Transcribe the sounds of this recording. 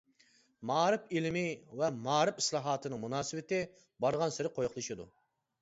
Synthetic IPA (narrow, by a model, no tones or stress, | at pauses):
mɑːɾɨpilmɪvɛmɑːɾɪpi̥slˠɑːɦɑːt̪ʰɨnɨŋmunɑːsɨwɪt̪ɪ | bɑɾʁɑnsɪɾɪqʰojχlˠɨʃɨd̪ṵ